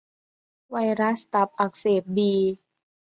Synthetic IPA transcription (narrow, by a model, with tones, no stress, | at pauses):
wa˧jɾa˦˥st̪a˨˩p̚ʔa˨˩k̚seː˨˩p̪̚diː˧